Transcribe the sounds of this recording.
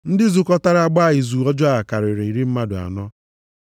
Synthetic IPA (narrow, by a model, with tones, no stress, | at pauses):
n̩˦dɪ˦zu˨kɔ˦ta˦ɾa˦ɡ͡ba˦a˦˨ɪ˨zu˨ɔ˦d͡ʒɔ˦a˦a˨ka˨ɾɪ˨ɾɪ˨i˨ɾi˦m̩˦ma˦dʊ˨a̰˨nɔ˦